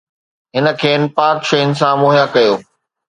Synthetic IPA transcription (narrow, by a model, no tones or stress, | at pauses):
ɦɪnə̆kʰeːnɪ̆paːkʃɐɪnɪ̆sãmoːɦjakɐjoː